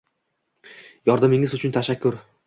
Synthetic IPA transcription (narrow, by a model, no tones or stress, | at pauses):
jɒɾd̪amɪŋɪzʊt͡ʃʰʊnt̪ʰaʃakʲʰːʊɾ